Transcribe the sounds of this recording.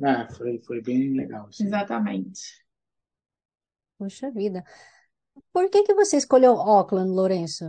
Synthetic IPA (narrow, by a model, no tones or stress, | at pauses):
ɛfojfojbẽj̃leɡawezat̪ɐmḛ̃t͡ʃɪ̥ | puʃɐvid̪ɐ | poɾkekɪvoseiskolewɔklɐ̃d̪loɾẽsʊ